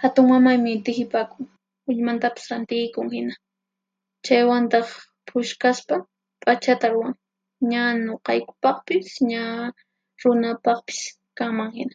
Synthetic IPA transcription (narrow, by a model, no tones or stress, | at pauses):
hat̪ʊŋmamajmɪɪnt̪ɪhɪpakʊŋ | ʊʎmant̪apɪ̥sɾant̪ɪjkʊŋhɪna | t͡ʃajwant̪ɑχ | pʰʊʃkaspa | pʼat͡ʃat̪aɾʊwaŋ | ɲanoqɑjkʊ̥pɑχpɪsɲa | ɾʊnapɑχpɪ̥s | kaŋmaŋhɪna